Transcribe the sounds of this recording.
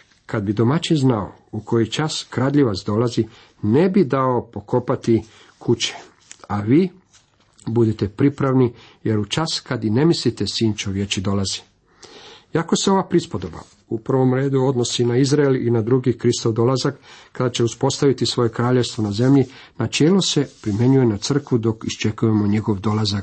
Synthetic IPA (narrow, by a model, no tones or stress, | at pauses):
kad̪̚bid̪o̞mat͡ʃinznao̰ | ukʰo̞jit͡ʃaskɾad̪ʎiʋasd̪o̞lazi | ne̞bid̪aopo̞kʰo̞pat̪i | kʰut͡ɕe̥ | aʋiː | bud̪et̪e̞pɾipɾaʋni | je̞ɾut͡ʃaskad̪ine̞mislit̪e̞siːnt͡ʃeoʋje̞t͡ɕid̪o̞lazi̥ | iako̞seo̞ʋapɾispo̞d̪o̞ba̰ | upr̩ʋo̞mɾe̞ːd̪uo̞d̪no̞sinaizɾaelinad̪ɾuɡikɾist̪oʋd̪o̞lazakːad̪at͡ɕe̞uspo̞st̪aʋit̪isʋo̞je̞kɾaːʎe̞ʋst̪ʋonaze̞mʎi | nat͡ʃe̞ːlose̞pɾimje̞ɲuje̞nat̪sr̩kʋud̪o̞kist͡ʃe̞kuje̞mo̞ɲe̞ɡo̞ʋd̪o̞lazak